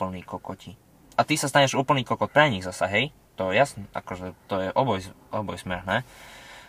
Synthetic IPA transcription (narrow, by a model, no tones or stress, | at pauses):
pl̩niːkɔkɔci | ʔat̪isast̪aɲɛʒuːpl̩niːkɔkɔt̚pɾɛɲiɣzasaɦɛj | t̪ɔjɛjasnɛʔa̰kɔʒɛt̪ɔjɛʔɔbɔjzʔɔbɔjsmɛɦnɛː